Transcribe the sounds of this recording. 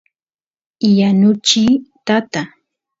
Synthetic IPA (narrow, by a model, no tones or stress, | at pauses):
janʊt͡ʃiːt̪at̪a